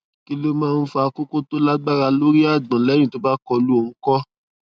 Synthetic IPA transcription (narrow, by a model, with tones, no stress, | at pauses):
ki˦lo˦mãː˦˧n̩˦fa˧ko˦ko˦to˦la˦ɡ͡ba˦ɾa˧lo˦ɾi˦a˦˨dã˨lɛ˨˦ñĩ˨to˦ba˦kɔ˧lu˦o˧nũ˦kɔ˦